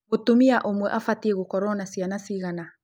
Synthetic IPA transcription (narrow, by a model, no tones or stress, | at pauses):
ɣotomiaʔomwɛʔafatieɣokɔɾɔnasianasiɣana